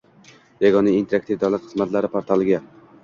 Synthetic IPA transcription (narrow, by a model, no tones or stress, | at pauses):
jaɡɒnaint̪ʰeak̚t̪ʰivd̪awlˠat̪χɨzmat̪laɾɪpʰoɾt̪ʰalˠɪɡʲa